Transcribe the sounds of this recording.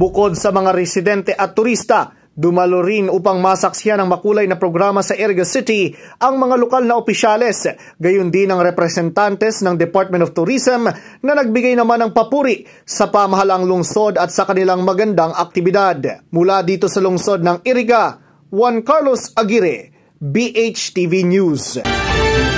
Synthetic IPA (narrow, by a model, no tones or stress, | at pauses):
bʊko̞d̪sɐmɐŋaɾɛsɪd̪ɛnt̪ɛʔɐt̪ːʊɾist̪ɐ | d̪ʊmɐloɾinʔuːpɐŋmasɐksɪjanɐŋmɐkuːlɐjnɐpɾo̞ɡɾamɐsɐʔɛɾɪɡɐsɪt̪iʔɐŋmɐŋalokalnɐopɪʃalɛs | ɡɐjʊnd̪ɪnɐŋɾɛpɾɛsɛnt̪ant̪ɛsnɐŋd̪ɛpaɹt̪̚mɛnoft̪ʊɾisɛmnɐnɐɡ̚bɪɡajnɐmanɐŋpɐpuːɾɪʔ | sɐpɐmɐɦalɐŋlʊŋso̞d̪ɐt̪sɐkɐnɪlaŋmɐɡɐnd̪aŋɐk̚t̪ɪbɪd̪ad̪mʊlad̪iːt̪o̞sɐlʊŋso̞d̪̚nɐŋiɾiɡa | wankaɹlosʔɐɡiɾɛ | biʔet͡ʃt̪ivinjus